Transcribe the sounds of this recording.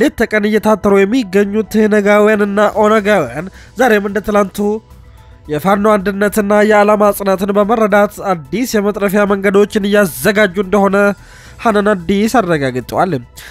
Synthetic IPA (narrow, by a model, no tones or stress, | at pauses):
let̪ʰːəkʼənɨjːɛt̪ʰat̪ːəɾujɛmːiɡːəɲːut̪hɨnəɡawijanɨnːaʔo̞nəɡawijanzaɾe̞mɨnd̪ət̪ɨlant̪ʰu | jɛfanːoand̪ɨnːət̪ɨnːajɛalamasʼnat̪ɨnbəmərːəd̪at̪ad̪ːisjɛmət̪ʼɾəfjaməŋɡəd̪o̞t͡ʃːɪnɨjːazːəɡad͡ʒːuɨnd̪əho̞nə | hanənad̪isarːəɡaɡt̪ʼəwalː